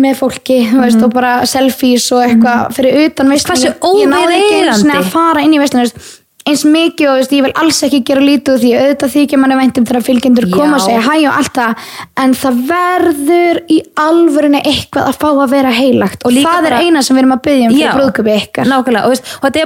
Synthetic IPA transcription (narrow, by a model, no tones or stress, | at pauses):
mɛðfowl̥cɪes̬t̪awpaːɾasɛlfisɔɣɛhkvafɪɾɪɾʏːt̪anvejstʰvaaoːwnawðasnːɪafaːɾaɪnːivɛjst̪ans | ejnsmɪːcɪɔðɪst̪jɛvɪlʔa̰lsɛhcɪcɛːɾaliːt̪ʏθiaœðt̪aθicamanːɪvajn̥t̪ʏmθaɾafɪlcɪnt̪ʏɾkʰɔːmmaseːjaɦajawʔa̰l̥t̪aɛnθaðvɛɾðʏɾialvʏɾɪnɪʔehkvaða̰ðfaːwaðvɛːɾaɦeːjlaxt̪ɔθaðɛɾeːjnasɛmvɪːɾʏmaðpɪðjaʏmfɾɾɾpɾoðkʰœpɪehkaɾ̥nawkɾlaest̪ɛt̪ɛ